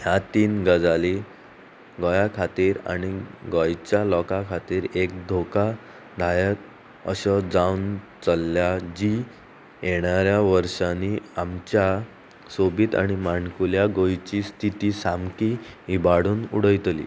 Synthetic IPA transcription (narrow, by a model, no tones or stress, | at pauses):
ɦjat̪iːnɡəd͡zali | ɡɔjakʰat̪iːɾa̰ɽ̃iɡɔjt͡ɕjalɔkakʰat̪iːɾek̚d̪ʱoka | d̪ʱajət̪̚ | əɕɔd͡zawnt͡səlːjad͡ʑi | jeɽ̃aɾjaʋəɾʂaniamt͡ɕja | sobiːt̪a̰ɽ̃imankuljaɡojt͡ɕiːst̪ʰit̪iːsamkiibaɽuːnṵɽəjt̪lḭː